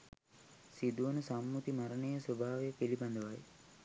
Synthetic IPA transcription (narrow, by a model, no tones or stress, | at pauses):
sid̪uʋɐnusɐmːut̪imɐɾɐnejɐswɐbʱaːʋejɐpelibɐnd̪ɐʋaːj